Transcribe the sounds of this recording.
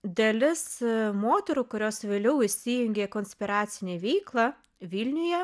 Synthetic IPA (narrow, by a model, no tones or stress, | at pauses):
d̪ʲɐlʲɪsmoːt̪ʲɛɾuːkʊɾʲoːsʋʲeːlʲɛʊɪʃsʲijʊŋʲɡʲeːkoːnʲsʲpʲɪɾɑːt̪sʲɪnʲeːʋʲɛɪklˠɐ | ʋʲilʲnʲʊjɛ